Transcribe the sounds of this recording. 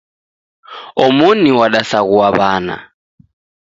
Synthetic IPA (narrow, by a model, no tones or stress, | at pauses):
ɔmuniwaɗasaɣuwaβaːna̰